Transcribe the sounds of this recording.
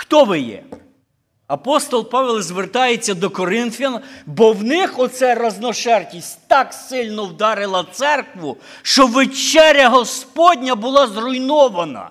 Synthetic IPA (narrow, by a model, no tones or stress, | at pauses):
xt̪ɔʋɪjɛ̰ | ɐpɔst̪ɔlˠpɑʋɛlˠzʋert̪ɑjet͡sʲːɐd̪ɔkɔɾɪnfʲɐnbɔwnɪxɔt̪sɛɾɐznɔʃɛrtʲisʲtʲt̪ɑksɪlʲnɔwd̪ɑɾɪlˠɐt̪sɛrkʋʊ | ʃt͡ʃɔʋet͡ʃɛɾʲɐɦɔspɔdʲnʲɐbʊlˠɑzrʊjnɔʋɐnɐ̰